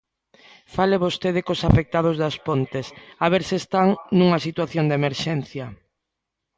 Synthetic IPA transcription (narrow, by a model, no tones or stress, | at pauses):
faleβost̪eð̞ɪkosafek̚t̪að̞ʊzðaspont̪esaβeɾsɪːst̪aŋnũŋasit̪waθjond̪emeɾʃɛn̟θjɐ